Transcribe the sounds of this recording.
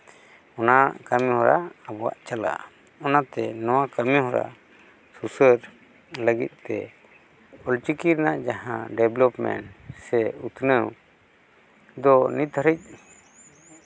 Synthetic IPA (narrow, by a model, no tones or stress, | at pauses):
ɔnaʔkamĩhɔɾaːbɔwa̰ʔt͡ʃala̰ | ɔnat̪ɛnɔwakamĩhɔɾa̰ | susəɾ | ləɡḭt̪̚ˀt̪ɛ̰ | ɔlt͡ʃikiɾnaʔd͡ʒaɦã̰ɖɛblɔpmɛ̰ɳʈsɛut̪ʰnəw | d̪ɔnit̪əɾic̚